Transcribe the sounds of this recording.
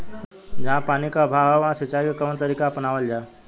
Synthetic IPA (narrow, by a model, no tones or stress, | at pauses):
d͡ʑãpanikabʱaɦəʋãsit͡ɕaikakəʋnt̪əɾikapənaʋəld͡ʑa